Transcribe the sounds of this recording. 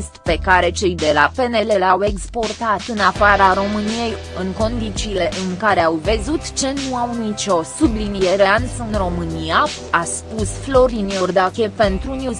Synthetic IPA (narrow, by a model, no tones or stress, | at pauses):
st̪pe̞kaɾe̞t͡ʃejd̪e̞la̰pe̞ne̞le̞lawe̞kspo̞rt̪at̪ɨnafaɾaɾo̞mɨnije̞j | ɨŋko̞nd̪it͡ʃiːle̞ʔɨŋkaɾe̞awvəzut̪t͡ʃe̞nuawmit͡ʃʲo̞sublinijeɾeansɨnro̞mɨnia | aspusflo̞ɾinjord̪ake̞pe̞nt̪ɾunʲjuz